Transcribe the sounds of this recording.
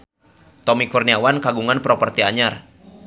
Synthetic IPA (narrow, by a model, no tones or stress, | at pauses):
t̪ɔmikurniawankaɡuŋanpɾɔpərt̪iaɲar